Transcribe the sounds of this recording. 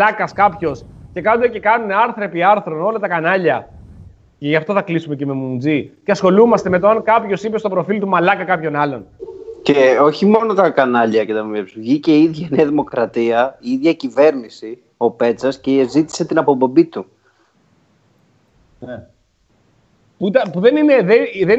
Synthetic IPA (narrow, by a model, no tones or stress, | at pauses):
ɐkɐskɐpço̞sce̞kɐnud̪ece̞kɐnuneɐɾθɾe̞piɐɾθɾo̞nolɐt̪ɐkɐnɐʎɐ | ceʝɐft̪o̞θɐklisume̞ceme̞mund͡ziceɐsxo̞lumɐst̪e̞me̞t̪oɐnkɐpçosipest̪o̞pɾo̞filt̪umɐlɐkɐkɐpço̞nɐlo̞nceo̞çimo̞no̞t̪ɐkɐnɐʎɐcet̪ɐmepsuʝice̞iiðʝɐneɐðimo̞kɾɐt̪iɐiiðʝɐcive̞ɾnisi | o̞pe̞t͡sɐscezit̪i̥se̞t̪inɐpobo̞bit̪u | ne | puit̪ɐnpuðe̞nineðeðen